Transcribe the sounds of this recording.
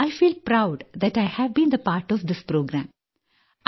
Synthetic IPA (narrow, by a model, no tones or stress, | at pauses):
aɪfiːlpɾaʊɖd̪æʈaɪhæʋbĩːnd̪əpaːɾʈɔʋd̪ɪspɾoːɡɾæ̰̃m